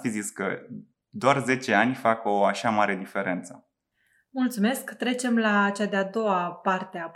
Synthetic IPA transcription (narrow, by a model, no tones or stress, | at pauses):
t̪iziskə̰ | d̪oarze̞t͡ʃe̞anʲfako̞aʃamaɾe̞d̪ife̞ɾe̞nt̪sə | mult̪sume̞skt̪ɾe̞t͡ʃe̞mlat͡ʃad̪ead̪o̞wapart̪ea